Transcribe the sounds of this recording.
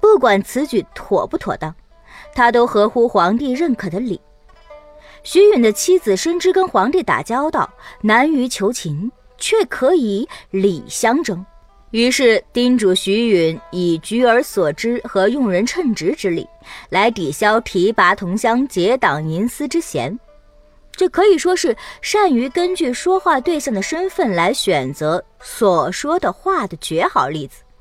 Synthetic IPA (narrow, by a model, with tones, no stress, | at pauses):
pu˥˩kwa˨˩nt͡sʰɹ̩˧˥t͡ɕy˧˩t̪ʰwɔ̰˨˩pu˥˩t̪ʰwɔ˨˩t̪ɑ˥˩ŋ | t̪ʰa˥t̪o˥ʊxɤ˧˥xu˥xwɑ˧˥ŋt̪i˥˧ɻə˥˩nkʰɤ˨˩d̪ə˦lḭ˨˩˦ | ɕy˧˥y˨˩nd̪ə˦t͡ɕʰi˥d͡zɹ̩˨˩ʂə˥nʈ͡ʂɻ̩˥kə˥nxwɑ˧˥ŋt̪i˥˩t̪a̰˨˩t͡ɕjɑ˥ʊt̪ɑ˥˩ʊna˧˥ny˧˥t͡ɕʰjo˧˥ʊt͡ɕʰi˧˥n | t͡ɕʰɥɛ˥˩kʰɤ˧˥i˨˩li˨˩ɕjɑ˥ŋʈ͡ʂɤ˥˩ŋ | y˧˥ʂɻ̩˥˩t̪i˥nʈ͡ʂu˨˩ɕy˧˥y˧˥ni˨˩t͡ɕy˧˥ə˞˧˥swɔ˨˩ʈ͡ʂɻ̩˥xɤ˧˥jʊ˥˩ŋɻə˧˥nʈ͡ʂʰɤ˥˩ŋʈ͡ʂɻ̩˧˥ʈ͡ʂɻ̩˥lḭ˨˩˦la˧˥ɪt̪i˨˩ɕjɑ˥ʊt̪ʰi˧˥pa˧˥t̪ʰʊ˧˥ŋɕjɑ˥ŋt͡ɕjɛ˧˥t̪ɑ˨˩ŋni˧˥nsɹ̩˥ʈ͡ʂɻ̩˥t͡ɕʰjɛ̰˧˥n | ʈ͡ʂɤ˥˩kʰɤ˧˥i˨˩ʂwɔ˥ʂɻ̩˥˩ʂa˥˩ny˧˥kə˥nt͡ɕy˥˩ʂwɔ˥xwa˥˧t̪we˥˧ɪɕjɑ˥˩ŋd̪ə˩ʂə˥nfə˥˩nla˧˥ɪɕɥɛ˨˩nt͡sɤ˧˥ | swɔ˨˩ʂwɔ˥d̪ə˨xwa˥˩d̪ə˩t͡ɕɥɛ˧˥xɑ˨˩ʊli˥˩d͡zɹ̩˨˩